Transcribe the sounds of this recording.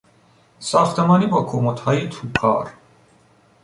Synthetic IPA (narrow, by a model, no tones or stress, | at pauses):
sɒχt̪ʰemɒːnibɒkʰomot̪hɒːjit̪ʰupʰɒ̰ːɾ